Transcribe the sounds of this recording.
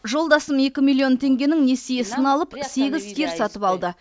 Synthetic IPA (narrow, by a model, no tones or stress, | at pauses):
ʒo̞lˠd̪ɑsəme̞kʲɪmilʲˠːio̞nt̪ʰe̞ŋɡʲe̞nɪŋnesijesənɑlˠəpse̞ɡʲɪzkʲe̞ɾsɑt̪əpɑlˠd̪ə